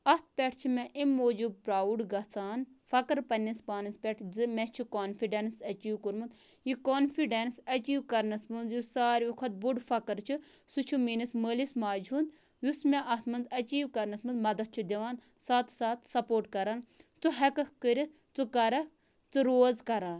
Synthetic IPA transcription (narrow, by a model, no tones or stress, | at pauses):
ɐt̪̚ʰpʲɛʈʰt͡ʃʰimɛʔimːoːd͡ʒub̚pɾaːuɖɡɐt͡sʰaːnfɐkɐɾpɐnʲːispaːnɨspʲɛʈʰzɨmɛt͡ʃʰikoːnfiɖensɐt͡ʃiːʋkuɾmund̪ | jikoːnfʰiɖensɐt͡ʃiːwkɐɾnɐsmɨnzjusaːɾʲʋɐkʰɐt̪̚buɖfʰɐkɐɾt͡ʃʰɨ | sut͡ʃʰuminɐsməːlismaːd͡ʒund̪ | jusmɛʔɐt̪ʰmɐnzɐt͡ʃiːʋkɐɾnɐsmɨnzmɐd̪ɐt̪̚t͡ʃʰud̪ʲiʋaːn | saːt̪ʰsaːt̪ʰsɐpoːɾʈkɐɾant͡suɦɐkɐkkəɾʲit̪ | t͡sukɐɾɐk | t͡sɨɾoːzkɐɾaːn